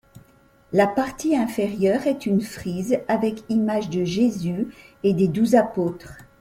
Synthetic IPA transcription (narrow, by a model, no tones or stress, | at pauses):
lapaʁt̪iɛ̃feʁjœʁɛt̪ynfχizavɛkimaʒd̪əʒezyed̪ed̪uzapoːt̪χ